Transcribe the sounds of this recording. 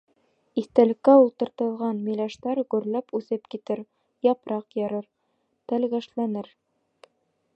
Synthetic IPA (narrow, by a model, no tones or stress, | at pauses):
iθt̪ælɘ̆kːæulˠt̪ɤ̆ɾt̪ɤ̆lˠʁɑnmilæʃt̪ɑɾɡʉɾlæpʉθɘpkit̪ɘɾ | jɑpɾɑqjɑɾɤɾ | t̪ælɡæʃlænɘɾ